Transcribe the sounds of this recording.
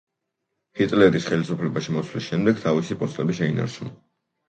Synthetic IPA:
hit̪ʼlɛɾisχɛlisupʰlɛbaʃimɔt̪sʰwlisʃɛmd̪ɛɡ̥̚t̪ʰavisipʼɔst̪ʼɛbiʃɛina̰ɾt͡ʃʰunɔ

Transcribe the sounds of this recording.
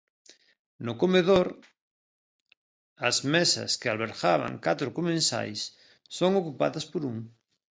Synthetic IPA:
nʊkomeðoɾ | ɐzmesɐ̰skealβ̞eɾxaβa̰ŋkat̪ɾʊkomẽnsa̰jsː | oŋokupa̰ðɐspoɾuŋ

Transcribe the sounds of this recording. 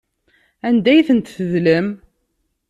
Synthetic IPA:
ænd̪æjθənt̪θəðləm

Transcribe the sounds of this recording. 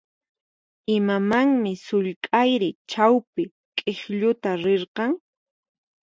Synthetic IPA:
ɪmamaŋmɪsʊʎkʼajɾɪt͡ʃawpɪ | kʼeχʎʊt̪aɾeɾqɑŋ

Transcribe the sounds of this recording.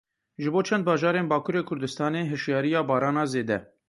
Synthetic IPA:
ʒɨboːt͡ʃʰɛnd̪̚bɑːʒɑːɾeːnbɑːkʰuːɾeːkʰʊɾd̪ɨst̪ɑːneːɦɨʃjɑːɾijɑːbɑːɾɑːnɑːzeːd̪ɛ

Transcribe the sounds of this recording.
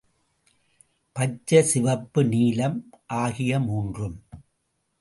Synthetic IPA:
pɐt͡ʃːɐsɪʋɐpːɯniːlɐmʔaːɣɪjɐmuːndrɯm

